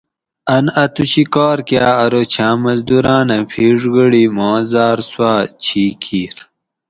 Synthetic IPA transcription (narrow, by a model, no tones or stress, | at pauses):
ɐnɐt̪uɕikɑːɾkjaːɐɾoːt͡ɕʰãːmɐzd̪uɾãːnɐpʰiːʐɡəɽimɑ̃ːzaːɾswaːt͡ɕʰiːkʰiːɾ